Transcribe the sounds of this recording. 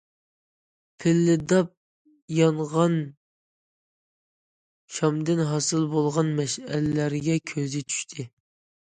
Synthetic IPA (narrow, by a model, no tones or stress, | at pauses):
pʰɪlːɪd̪ɑp̚ | jɑɴʁɑn | ʃɑmd̪ɪnɦɑsɨlˠbolˠʁɑnmɛʃæ̰lɪlæɾɡʲɛkʲʰøzɪt͡ʃʰy̥ʃt̪ʰɪ